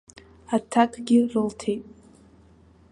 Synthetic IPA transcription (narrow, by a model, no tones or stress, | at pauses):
atʰakʼɡʲɪrɨltʰe̞jtʼ